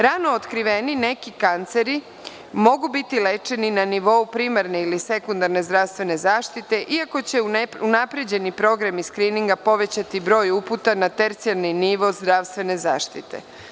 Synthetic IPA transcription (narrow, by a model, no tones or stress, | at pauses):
ɾano̞ot̪kɾiʋe̞nine̞kikant̪seɾi | mo̞ɡubit̪ile̞t͡ʃe̞ninaniʋo̞upɾimaɾne̞ilise̞kund̪aɾne̞zd̪ɾast̪ʋe̞ne̞zaːʃt̪it̪e̞ʔiako̞t͡ɕe̞uunapɾe̞d͡ʑe̞nipɾo̞ɡɾamiskɾiːniŋɡapo̞ʋe̞t͡ɕat̪ibɾo̞ːjuput̪anat̪e̞ɾt̪sialniniʋo̞zd̪ɾaʋst̪ʋe̞ne̞za̰ːʃt̪it̪e̞̰